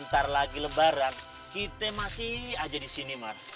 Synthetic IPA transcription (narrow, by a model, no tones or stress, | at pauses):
nt̪arlaɡiləbaɾan | kit̪ɛmasiad͡ʒadisinimar